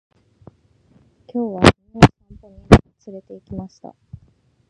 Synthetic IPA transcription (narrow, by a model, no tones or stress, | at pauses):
kʲo̞ːβaine̥ãnt̪oɲ̟imaat͡sɨɾe̞t̪e̞ikʲimaɕi̥t̪a̰